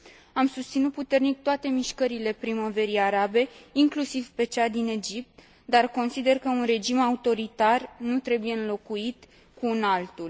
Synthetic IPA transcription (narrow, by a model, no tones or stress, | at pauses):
amsust̪sinut̪̚put̪e̞rnik̚t̪oat̪e̞miʃkəɾile̞pɾimo̞ve̞ɾiaɾabe̞iŋklusivpe̞t͡ʃad̪ine̞d͡ʒip̚t̪ | d̪arko̞nsid̪e̞rkəunre̞d͡ʒimaut̪o̞ɾit̪arnut̪ɾe̞buje̞ɨnlo̞kuit̪ | kuɨnalt̪ul